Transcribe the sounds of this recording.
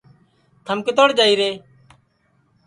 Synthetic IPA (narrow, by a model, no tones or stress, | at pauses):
t̪ʰəmkɪt̪oɽd͡ʒaːiːɾeː